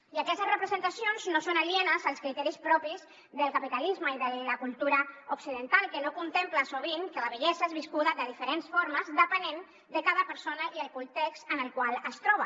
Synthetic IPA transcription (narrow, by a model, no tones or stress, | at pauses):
iəkɛst̪əzrəpɾəzənt̪asionznosonəʎienəzəlˠskɾit̪ɛɾispɾɔpiz | ðəlˠkapit̪alizməiðələkulˠt̪uɾəuksiðənt̪alˠkənokunt̪empləsoβ̞iŋkələβəʎɛzəezβiskuðəðəðifəɾensfoɾməzðəpənen | d̪əkaðəpəɾsonəiəlˠkunt̪ekst̪ənəlˠkwalˠəst̪ɾɔβə